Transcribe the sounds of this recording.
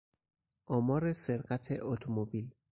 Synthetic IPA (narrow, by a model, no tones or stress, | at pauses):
ɔmɔɾɪsɪɾkʼatʰɛʔotʰɔmobil